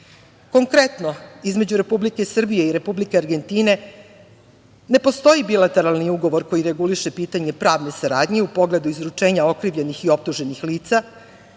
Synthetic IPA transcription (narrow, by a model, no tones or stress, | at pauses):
ko̞ŋkɾe̞t̪no̞izme̞d͡ʑuɾe̞publike̞sr̩bije̞iɾe̞publikeaɾɡe̞nt̪iːne̞ | ne̞po̞st̪o̞jibilat̪e̞ɾalniuɡo̞ʋo̞ɾko̞jiɾe̞ɡuliʃe̞piːt̪aɲe̞pɾaːʋne̞saɾaːd̪ɲeupo̞ɡle̞d̪uizɾut͡ʂe̞ːɲao̞kɾiʋʎe̞nixio̞p̚t̪uʒe̞nixliːt̪sa